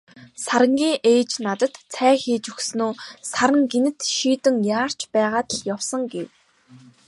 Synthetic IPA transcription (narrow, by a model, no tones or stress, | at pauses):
saɾə̆ŋɡʲiːŋʔeːt͡ɕnat̪ə̆t̪t͡sʰæːxeːt͡ɕɵxsnuːsaɾə̆ŋɡenɘ̆t̪ʃiːt̪ɘ̆ŋjaːr̥t͡ɕpæːʁaːt̪ə̆ɮjawsə̆ŋɡew